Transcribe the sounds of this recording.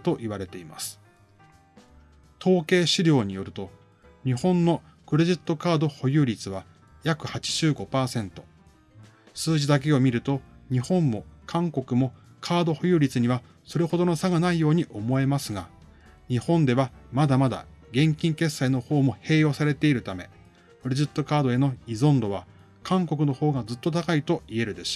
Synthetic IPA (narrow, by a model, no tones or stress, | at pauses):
t̪o̞ʔiβaɾe̞t̪e̞ima̰sɨ̥ | t̪ʰo̞ːke̞ːɕiɾʲo̞ːɲ̟ijo̞ɾɯ̟t̪o̞ | ɲ̟ihõ̞nːo̞ | kɯ̟ɾe̞ʑit̪ːo̞kaːd̪o̞ho̞jɯ̟ːɾʲit͡sɨβa | jakɯ̟hat͡ɕi̥ʑ̥ɨːɡo̞paːsẽ̞nt̪o̞ | sɨːʑid̪ak̬e̞o̞mʲiɾɯ̟t̪o̞ɲ̟ihõ̞mːo̞kʰãŋko̞kɯ̟mo̞ | kʰaːd̪o̞ho̞jɯ̟ːɾʲit͡sɨɲ̟iβa | so̞ɾe̞ho̞d̪o̞no̞saɡanaijo̞ːɲ̟iʔo̞mo̞e̞masɨɡa | ɲ̟ihõ̞nd̪e̞βamad̪amad̪a̰ɡẽ̞ŋkʲĩŋke̞sːaino̞ho̞ːmo̞he̞ːjo̞ːsaɾe̞t̪e̞iɾɯ̟t̪ame̞̰ | kɯ̟ɾe̞ʑit̪ːo̞kaːd̪o̞e̞no̞izõ̞nd̪o̞β̞a | kãŋko̞kɯ̟no̞ho̞ːɡazɨt̪ːot̪akait̪o̞ie̞ɾɯ̟d̪e̞s